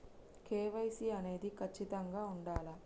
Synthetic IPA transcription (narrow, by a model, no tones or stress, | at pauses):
keːʋɐjsiɐne̞ːd̪ikʰɐt͡ʃːit̪ɐŋɡaːuɳɖaːlɐ